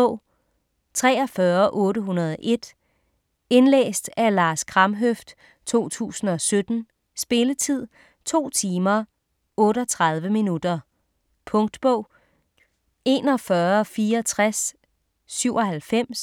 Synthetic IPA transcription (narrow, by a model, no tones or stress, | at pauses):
ʊ̰ | t͡sʰʁɛ̰ːɒfɶːɐʔɔ̽ːɾəɦunɐð̞ˠɒʔe̝d̥ | e̝nlḛːsd̥ælɑ̈ːskʰʁɑ̈mɦøfd̥ | t͡sʰo̝̰ːt͡sʰṵːsn̩ɒ̽sød̥n̩ | sb̥e̝lət͡sʰið̞̰ˠ | t͡sʰo̝̰ːt͡sʰiːmɐ | ɔ̽ːɾɒt͡sʰʁɑ̈ð̞ˠʋəminud̥ɐ | pʰɔ̽ŋd̥b̥ɔʊ̰ | e̝ːnɒ̽fɶːɐfiːɐɒt͡sʰʁasː | yʊ̰ɒ̽hælfem̰s